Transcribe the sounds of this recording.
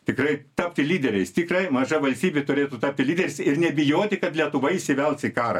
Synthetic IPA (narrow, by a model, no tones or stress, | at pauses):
t̪ʲɪkrɐɪt̪ɐːpʲt̪ʲɪlʲiːd̪ʲɛɾʲɛɪst̪ʲɪkrɐɪmɐʒɐʋɐlʲsʲt̪ʲiːbʲet̪ʊɾʲeːt̪uːt̪ɐːp̚ʲt̪ʲɪlʲiːd̪ʲɛɾʲɪsɪrnʲɛbʲɪjoːt̪ʲɪkɐt̪lʲiɛt̪ʊʋɐɪɪsʲɪʋʲɛlˠt̪sɪkɑːɾɐ̰